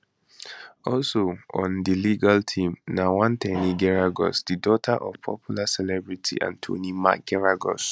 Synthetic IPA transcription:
ɔlsoɔ̃ndiliɡaltʰĩmnawãntʰɛniɡɛɹaɡɔ̰sdidɔtʰaʔɔv̥pʰɔ̰pʰjulasɛlɛbɹitʰḭʔã̰ntʰo̰nima̰k̚ɡ̥ɛɹaɡɔ̰s

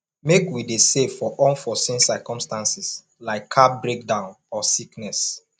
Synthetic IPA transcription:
mekwidesevfɔʔɔ̃nfɔsĩnsakɔ̃mstãnsis | laɪkʰːabɹek̚dãʊ̃n | ɔsiknɛs

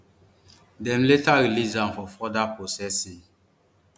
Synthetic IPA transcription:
dɛ̃mletaɾilisdãnfɔfɔdapɹosɛsĩŋ

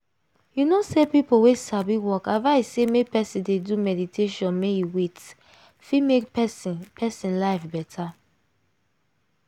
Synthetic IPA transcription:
junosepipowesabiwɔkavaɪsemepɛsĩndedumɛditʰeʃɔ̃nmejuwet | fimekspʰɛsĩnlaɪfbɛtʰa

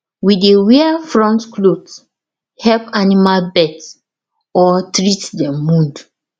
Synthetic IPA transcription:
widewiafɹɔ̃ntklods | hɛpanimalbɛts | ɔtɹitdɛmũnd

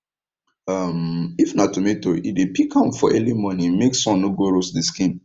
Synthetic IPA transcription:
amifnatumetoʔidepikʰãmfɔʔɛlimɔnĩmeksɔ̃nːoɡoɾosdiskĩn

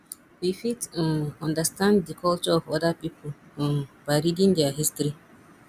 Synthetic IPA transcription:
wifitnɔ̃ndəstãnddikʰɔlt͡ʃɔɔvɔdəpipʰl̃baɪɾidĩŋdɛaɦistɾi

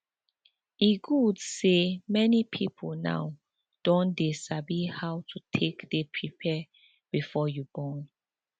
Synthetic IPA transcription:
iɡudsemɛnipʰipʰolna̰w | d̥õndisabihawtʰutʰekdepʰɹipʰɛ | b̥ifɔjubɔ̃n

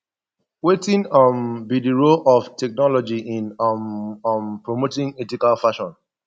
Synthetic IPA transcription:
wetĩnʌmbidiɹolʔɔftʰɛk̚nɔlɔd͡ʒiĩnmmpɹomotĩŋɛtikalfaʃɔ̃n

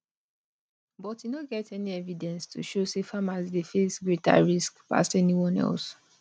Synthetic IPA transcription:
bɔtjunoɡɛtɛniɛvidɛ̃nstʰuʃosefamasdefesɡɹeta̰ɹiskpa̰stɛniwɔ̃nɛ̰ls

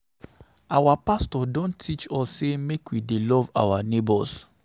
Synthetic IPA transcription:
awapastɔdõnʰit͡ʃɔsːemekwidelɔva̰wanebɔs

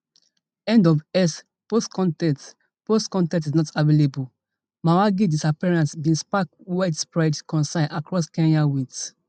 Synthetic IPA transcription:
ɛ̃ndɔvɛs | postkʰɔ̃ntɛ̃t | postkɔ̃ntɛ̃tisnɔtavelebu | mawaɡidisapiɹãnsbĩnspak | waɪtspɹadkɔ̃nsãɪ̃nʔakɹɔskɛ̃njawits

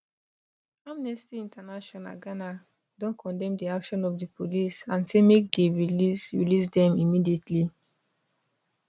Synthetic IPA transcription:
amnɛstiĩntanaʃɔ̃na̰ɡana | dɔ̃nkʰɔ̃ndɛ̃mdiakʃɔ̃nɔfdəpolisãnsemek̚deɹilisɹḭlisdɛ̃mimidietʰli

